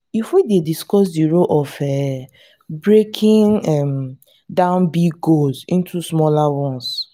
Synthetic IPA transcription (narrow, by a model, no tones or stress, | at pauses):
ifwidediskɔs̬diɹoʔɔfɛ | bɹekʰĩŋɛm | dãʊ̃nbiɡɡolsĩntusmɔlawɔ̃ns